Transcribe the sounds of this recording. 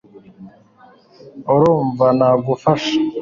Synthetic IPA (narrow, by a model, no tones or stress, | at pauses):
uɾuːɱvanaːɡufaʃḁ